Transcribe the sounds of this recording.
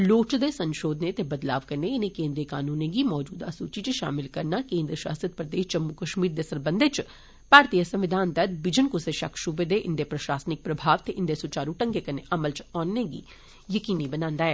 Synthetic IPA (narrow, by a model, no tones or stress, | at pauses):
loːt͡ʃd̪eːsə̃nʃoːd̪ʱnet̪ebəd̪la̰ːʋkəɾneɪnekẽːnd̪ɾijəkaːnuːnẽɡimɔːd͡ʒuːd̪a̰suːt͡ʃit͡ʃʃa̰ːmɪlkəɾnaːkẽːnd̪ɾəʃa̰ːsɾət̪̚pɾəd̪eːʃt͡ʃəmːukəʃmiːɾd̪eːsəɾbə̃nd̪et͡ʃ | paːɾt̪iːjəsə̃mʋɪd̪ʱaːnt̪ət̪bɪd͡ʒənkʊseʃɐkʰʃʊbed̪eʔɪnd̪epɾəʃaːsnɪk̚pɾəbʱaːʋt̪eʔɪnd̪esʊt͡ʃaːɾuʈə̃ŋɡeːkəneʔɐməlt͡ʃɔːnːeɡḭː | jəkiːnibənãːnd̪aːɦɛː